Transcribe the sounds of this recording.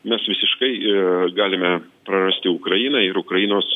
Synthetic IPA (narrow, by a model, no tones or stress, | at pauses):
mʲɛsʋʲɪsʲɪʃkɐɪɡɑːlʲɪmʲɛpɾɐrɐsʲt̪ʲɪʊkɾɐjiːnɐɪɾʊkɾɐjiːnoːs